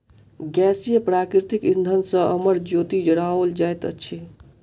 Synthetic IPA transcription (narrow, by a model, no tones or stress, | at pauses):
ɡɛsijəpɾakɾiɾt̪ikind̪ʱənsə̃əməɾd͡ʒot̪id͡ʒəɽaold͡ʒajt̪ə̰t͡ʃʰi